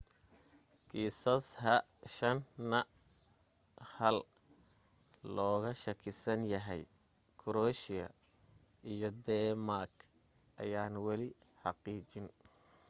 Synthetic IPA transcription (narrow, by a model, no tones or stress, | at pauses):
kʰiːsɐshɐʃɐnːɐ | hɐl | lɔːɣɐʃɐkʰɪsɐnjɐɦɛj | kʰʊɾɔːʃɪɐ̰ | ʔijɔd̪ɛmarkʰ | ʔɐ̰jaːnwɑlɪ | ħɑqiːt͡ʃɪn